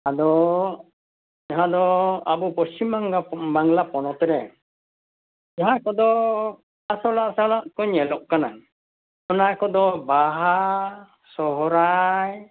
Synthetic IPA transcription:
ad̪ɔ | d͡ʒaɦad̪ɔabupɔsimaŋɡabaŋlapɔnɔt̪ɛɾɛ | d͡ʒaɦakɔd̪ɔ | asɔlaʔsalaʔkɔɲːɛlɔʔkana | ɔnakɔd̪ɔbaɦa | sɔɦɔɾaj

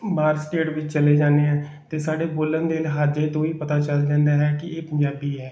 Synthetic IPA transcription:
maːɾsʈeːʈʋɪt͡ʃt͡ʃəleːd͡ʒaːneːɦɛ̃ː | t̪eːsaːɽeːboːlənd̪eːlɦaːd͡ʒeːt̪õːiːpət̪aːt͡ʃəld͡ʒãːnd̪aːɦɛːkɪeːpəɲd͡ʒaːbiːɦɛː

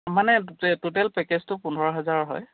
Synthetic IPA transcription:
manɛtut̬ɛlpɛkɛztʊpunʱɔɹɔɦɛzaɹɦɔj

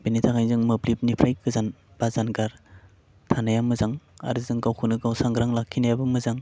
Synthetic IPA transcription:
benitʰaŋajzɯŋmɯblip̚nipʰɾajkʰɯzanb̥azanɡaɾ | tʰanajamɯzaŋa̰ɾɯzɯŋɡawkʰunɯɡawsaŋɡɾaŋlakʰːinajabɯmɯzaŋ

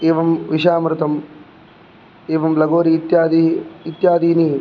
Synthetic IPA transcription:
eːʋɐmʋiʃaːmɾɨt̪ɐm | eːʋɐmlɐɡoːɾiːt̪jaːd̪iit̪jaːd̪iːni

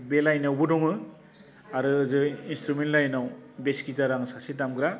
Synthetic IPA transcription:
belajnawbɯdɔŋɯ | aɾɯːzɯinstɾumentlajnawbeskitaɾaŋsasitamɡɾa

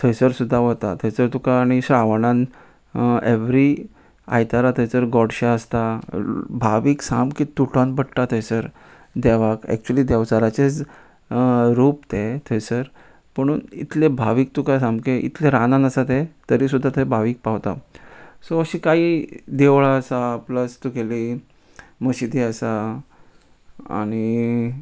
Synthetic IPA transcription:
t̪ʰəjsəɾsud̪ʱːaʋət̪at̪ʰəjt͡səɾt̪ukaːɽ̃iɕɾaʋɳãn | eʋɾi | a̰jt̪aɾat̪ʰəjt͡səɾɡɔɽɕaəst̪a | bʱaʋiːksamkit̪uʈanbəɽʈat̪ʰəjsəɾ | d̪ɛʋakɛ̰k̚t͡ɕuəliːd̪ɛʋt͡saɾat͡ɕet͡s | ɾuːpt̪et̪ʰəjsəɾ | m̤əɽ̃uːnḭt̪lebʱaʋiːk̚t̪ukajsãmbkeʔḭt̪leɾanãnəsat̪et̪əɾiːsud̪ʱːat̪ʰəbʱaʋiːk̚paʋt̪a̰soəɕikaɦiːd̪eʋɭaəsaːpləst̪ukeliː | məɕid̪iəsa | a̰ɽ̃i

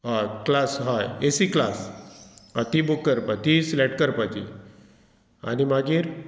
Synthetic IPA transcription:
ɦaklasɦajesiklas | at̪ibukːəɾpat̪islɛʈ̚kəɾpat̪ḭ | a̰nimaɡiːɾ

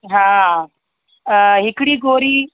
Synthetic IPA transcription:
ɦã | ɦɪkɽiːɡoːɾiː

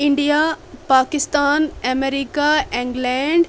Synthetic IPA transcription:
ɪɳɖijapaːkɪst̪aːnɐmeɾikaẽŋɡlɛːɳɖ

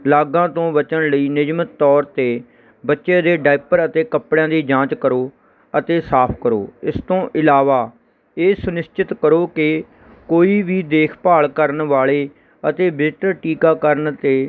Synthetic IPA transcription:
laːɡãːt̪õːbət͡ʃənləiːnɪd͡ʒmət̪ːɔːɾt̪eː | bətːʃẽːd̪eːɖaːɪpəɾət̪eːkəpɽjãːd̪iːd͡ʒãːt͡ʃkəɾoː | ət̪eːsaːpʰkəɾo̰ːɪst̪õːʔɪlaːʋaː | eːsʊnɪst͡ʃɪt̪kəɾoːkɪ | koːiːʋiːd̪eːkʰpaːɭkəɾnʋaːɭeː | ət̪eːbɪʈəɾʈiːkaːkəɾnt̪eː

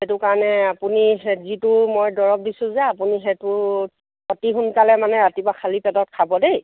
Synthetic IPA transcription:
etʊkaɹɔnɛapuniɦɛzitʊmɔjdɔɹɔk̚disʊ̃zɛapuniɦetʊ | ɔtiɦunkalɛmanɛatibakʰalipɛtɔt̚kʰabɔdej

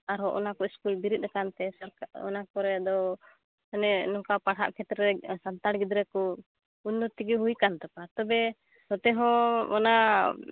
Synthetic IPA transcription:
aɾɔʔɔnakɔiskulbiɾit̪̚ɾakant̪ɛsɔɾkaɔ̰nakɔɾɛd̪ɔ | nɛnɔŋkapaɽa̰ʔkʰɛt̪ɾɛɛsant̪aɽɡid̪ɾɛkɔ | undɔt̪iɡiɦujkant̪ɔpat̪ɔbɛ | sɔt̪ɛɦɔɔna

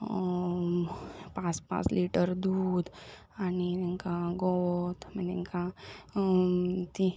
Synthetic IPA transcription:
pãspã̰ːsliːʈəɾd̪uːd̪ | aniŋkaɡoot̪mɛneŋka | t̪i

